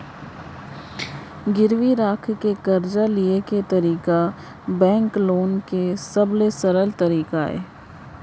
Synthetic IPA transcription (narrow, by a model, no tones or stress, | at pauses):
ɡɪɾʋiɾaːkʰkekɐɾd͡ʒalieket̪ɐɾiːka | bɛ̃ːŋkloːnkesɐblesɐɾəlt̪ɐɾiːkaɦɛ̰ː